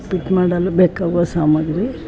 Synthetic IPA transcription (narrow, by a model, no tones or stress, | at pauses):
piʈmaːɽɐlːɐbeːkaːʋasaːmɐɡɾi